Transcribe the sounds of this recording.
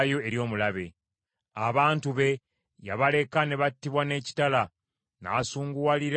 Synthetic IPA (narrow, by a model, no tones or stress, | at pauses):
jo̞e̞ɾjo̞ːmulaβe̞̰ | aβaːntuβe̞ | ja̰βale̞kane̞βatːiβwane̞ːci̥tala | na̰ːsuːŋɡuwaliɾ